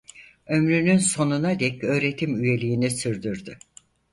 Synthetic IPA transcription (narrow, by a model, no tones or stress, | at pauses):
ø̞mɾynynso̞nunad̪ɛcø̞ːɾe̞t̪ʰimyje̞lʲijinisɯɾd̪yɾd̪y